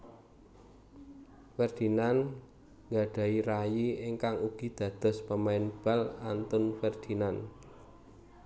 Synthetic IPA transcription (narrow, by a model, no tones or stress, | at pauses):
fɛrd̪̥i̤nan | ŋɡaɖ̥a̤iɾajiɪŋkaŋuɡ̥i̤d̪̥ä̤d̪̥ɔ̤spəmaɪnb̥a̤lant̪ʊnfɛrd̪̥i̤nan